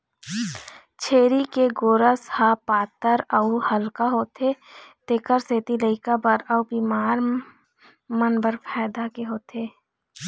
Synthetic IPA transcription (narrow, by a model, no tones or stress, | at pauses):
t͡ʃʰeːɾikeɡoːɾəshapaːt̪əɾəuhəlkaɦoːt̪et̪eːkəɾseːt̪iləɪkabəɾəubiːmaːɾ | mənbəɾpʰɛːd̪akeɦoːt̪eː